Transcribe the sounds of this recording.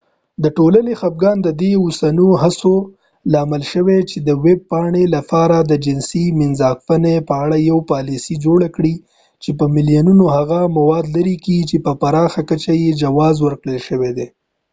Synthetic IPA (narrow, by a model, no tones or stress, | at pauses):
d̪əʈolanexap̚ɡɑnd̪əd̪eʊsanuɦaso | lɑməlʃəwet͡ʃed̪əweb̚pɑɳelapɑɾad̪əd͡ʒɪnsimɪnzɑkfənepəaɽajawpɑlisid͡ʒoɽakɽi | t͡ʃepəmɪlijanunohaɣamawɑd̪laɾikiɡit͡ʃepəpaɾɑxakət͡ʃajed͡ʒawɑzwəɾkɽəlʃəwed̪e